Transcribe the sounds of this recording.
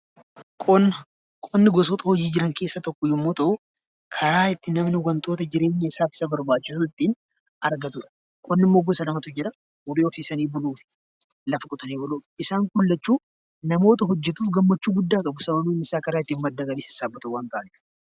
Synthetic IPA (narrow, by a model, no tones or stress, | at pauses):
kʼɔnːɐ | kʼɔnːɪɡɔs̬ɔt̪ʼɐhɔd͡ʒiːd͡ʒɪɾɐŋke̞ːsːɐt̪ɔkːɔjɪmːoːt̪ɐʔʊ | kʰɐɾaːɪt̪ːɪnɐmnɪwɐnt̪ʼo̞ːt̪ɐd͡ʒɪɾe̞ːɲːɐɪsaːfɪ̥sɐbɐɾbaːt͡ʃːɪsʊt̪ːiːn | ʔɐɾɡɐt̪ʊᶑɐ̥ | kʼɔnːɪmːo̞ːɡɔsɐlɐmɐt̪ʊd͡ʒɪɾɐ | ʊbeːɔfiːsɐniːbʊluːfɪ̥ | lɐfɐkʼʊt̪ɐniːbʊluːfɪsaːŋkʊlːɐt͡ʃːuː | nɐmo̞ːt̪ɐɦɔd͡ʒːɛt̪uːfɡɐmːɐt͡ʃːuːɡʊd̪ːaːkʼɐbʊsɐmɐnuːnɪsaːkɐɾaːɪt̪ːiːnmɐd̪ːɐɡɐliːsɪsaːbːɐt̪ɐwaːnt̪aʔːɐnɪ